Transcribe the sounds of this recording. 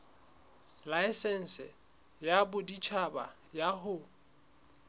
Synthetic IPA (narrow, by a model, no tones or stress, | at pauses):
laɪsɛn̩sɪ | jabʊdit͡ʃʰaba | jaɦʊ